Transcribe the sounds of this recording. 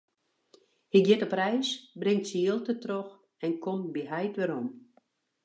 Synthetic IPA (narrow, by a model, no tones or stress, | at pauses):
hɪkjɛtəprɛjsbrɪŋtsiːlˠtətrox | ɛnkʰombiɦɛjtʋɛɾɔm